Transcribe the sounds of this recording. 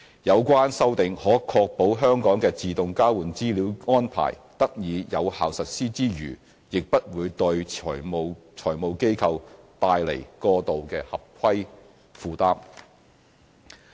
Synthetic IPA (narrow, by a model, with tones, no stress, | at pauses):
jɐ˨˧wkʷwaː˥nsɐ˥wt̪ɪ˨ŋhɔː˨˥kʰɔː˧k̚po˨˥wɦœː˥ŋkɔː˨˥ŋkɛː˧t͡siː˨t̪ʊ˨ŋkaː˥wuː˨˩nt͡siː˥liː˨˥wŋɔː˥npʰa̰ː˨˩jt̪ɐ˥k̚jiː˨˧jɐ˨˧whaː˨wsɐ˨t̚siː˥t͡siː˥jy̰ː˨˩ | jɪ˨k̚pɐ˥t̚wuː˨˧jt̪ɵ˧ɥɔ̰˨˩jmo˨wt͡sʰɔː˨˩jmo˨˩wke˥jkʰɐ˧wt̪aː˧jlḛ˨˩jkɔː˧t̪o˨wkɛː˧hɐ˨p̚kʰɐ˥j | fuː˨˧t̪aː˥m